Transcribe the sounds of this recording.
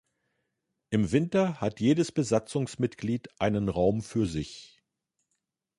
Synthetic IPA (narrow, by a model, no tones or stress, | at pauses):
ʔɪmvɪntɐhatjeːdəsb̥əzat͡sʊŋsmɪtɡ̥liːtʔaɪnənʁaʊmfyːɐzɪç